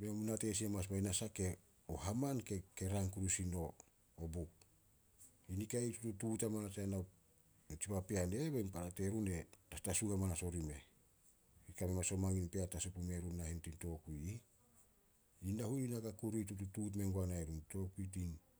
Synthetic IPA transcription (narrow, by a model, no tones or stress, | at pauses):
memunate̞s̬iemas̬mainasake̞ | oɦamankeke̞ɾaŋkuɾusino̞ | obuk̚ | inikaitutututamanateanaw | nt͡ʃipapeane̞βeinpaɾate̞ɾune̞tastasuɡamanaso̞ɾime̞ | ikamemaso̞maŋinpeatasupume̞ɾunːahintinto̞kuji | indahuninakakuɾitututut̬me̞ŋɡoanaeɾunto̞kuit̬in